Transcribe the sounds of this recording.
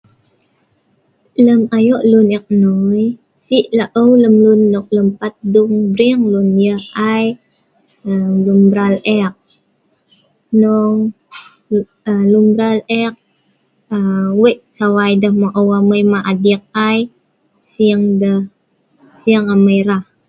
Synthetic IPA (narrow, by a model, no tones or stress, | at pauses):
ləmajoʔlunɛk̚noj | siʔlaʔəwləmlunːɔk̚ləmpat̪̚duŋbɾiŋlunjəhaj | əlumbɾalɛk̚ | nɔŋ | əlumbɾalɛk̚ | əweʔt͡ʃawajdəhmaʔəwaməjmaʔadik̚aj | siəŋdəh | siəŋaməjɾah